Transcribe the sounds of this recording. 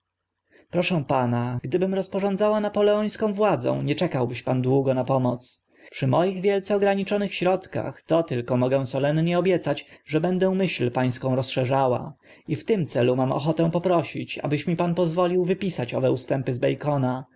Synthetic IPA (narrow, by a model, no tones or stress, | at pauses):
pɾɔʂɛ̃w̃panaɡd̪ɘbɘmɾɔspɔʐɔ̃nd̪zawanapɔlɛɔj̃skɔ̃w̃vwad̪zɔ̰̃w̃ɲɛt͡ʂɛkawbɘɕpand̪wuɡɔnapɔmɔt̪s | pʂɘmɔjiɣvʲjɛlt̪sɛɔɡɾaɲit͡ʂɔnɘxɕɾɔt̪ka̰xt̪ɔt̪ɘlkɔmɔɡɛ̃w̃sɔlɛnɲɛɔbʲjɛt̪sat͡ɕʐɛbɛnd̪ɛ̃w̃mɘɕlpaj̃skɔ̃w̃ɾɔsʂɛʐawa̰ | ift̪ɘmt̪sɛlumamɔ̰xɔt̪ɛ̃w̃pɔpɾɔɕit͡ɕa̰bɘɕmʲipanpɔzvɔlʲiwvɘpʲisat͡ɕɔ̰vɛust̪ɛmpɘzbɛjkɔna